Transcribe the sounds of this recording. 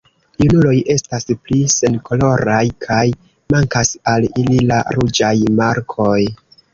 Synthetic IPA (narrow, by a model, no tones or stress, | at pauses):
junulo̞jʔe̞stasplise̞nkʰo̞lo̞ɾajkʰaj | maŋkasalilila̰ɾud͡ʒajmaɾkʰo̞j